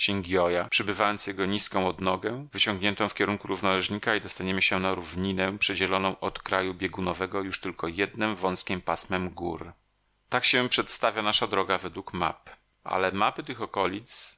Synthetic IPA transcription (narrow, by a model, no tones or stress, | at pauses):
ɕɛŋɡʲjɔjapʂɛbɘvajɔnt̪sjɛɡɔɲiskɔ̃w̃ɔd̪nɔɡɛvɘt͡ɕɔ̃ŋɡɲɛnt̪ɔ̃w̃fkʲɛɾuŋkuɾuvnalɛʐɲikaid̪ɔst̪aɲɛmɘɕɛnaɾuvɲinɛpʂɛd͡ʑɛlɔnɔ̃w̃ʔɔt̪kɾajubʲjɛɡunɔvɛɡɔjuʂt̪ɘlkʰɔjɛd̪nɛmvɔ̃w̃skʲimpasmɛmɡṵɾ | t̪akɕɛpʂɛt̪st̪avʲjanaʂad̪ɾɔɡavɛd̪wukma̰p | ʔa̰lɛmapɘt̪ɘxɔkɔlʲit̪s